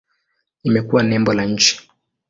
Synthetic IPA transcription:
imɛkuwanɛmbɔlaɲ̩t͡ʃi̥

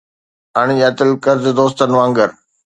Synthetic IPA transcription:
ɐɽ̃iɐt̪ɪlkəɾzd̪oːst̪ənɪ̆ʋãːŋɡəɾ

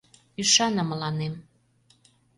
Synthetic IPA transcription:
yʃɑnɤ̆məlɑnem

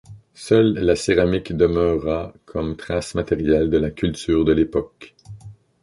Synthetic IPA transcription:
sœlːaseʁamikd̪əmœʁakʰɔmt̪χasmat̪eʁjɛld̪əlakʲylt̪yːʁd̪əlepɔk

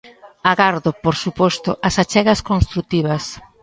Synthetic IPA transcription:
aɣaɾðopoɾsupɔst̪ʊ̰ʔasat͡ʃɛɣɐskõnst̪ɾut̪iβɐs

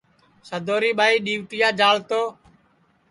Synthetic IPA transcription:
səd̪ʱoːɾiːɓaːiːɗiːʋt̪ɪjaːd͡ʒaːlt̪oː

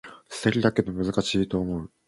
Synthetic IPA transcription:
sɨ̥seɾʲid̪ake̞d̪o̞mɯ̟zɨkaɕiːt̪o̞ːmo̞ɯ̟

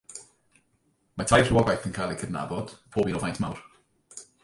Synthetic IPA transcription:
matʰajr̥uwɔɡajθə̃nkʰalˠikʰədna̰bɔd̥pʰoːbinɔvajntʰmawr

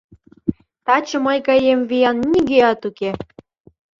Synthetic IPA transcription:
t̪ɑt͡ɕə̆məjkɑjemvijɑnnʲiɡeɑt̪uke

